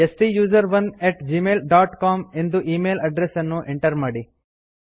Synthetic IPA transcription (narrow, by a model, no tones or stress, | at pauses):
esʈijuːd͡ʒɐɾʋɐneʈd͡ʒiːmeːlɖaːʈkaːme̞nd̪uʔiːmeːlɐɖɾesɐnːuʔeɳʈɐɾmaːɽi